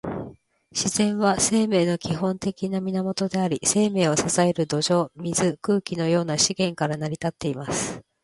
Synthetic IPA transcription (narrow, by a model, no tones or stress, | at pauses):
ɕiz̥ẽ̞ɰ̃βase̞ːme̞ːno̞kʲiɦõ̞nt̪e̞kʲinamʲinamo̞t̪o̞d̪e̞aɾʲise̞ːme̞ːo̞sasae̞ɾɯ̟d̪o̞ʑo̞ːmʲizɨkɯ̟ːkʲino̞jo̞ːnaɕiɡẽ̞ŋkaɾanaɾʲit̪at̪ːe̞imasɨ̥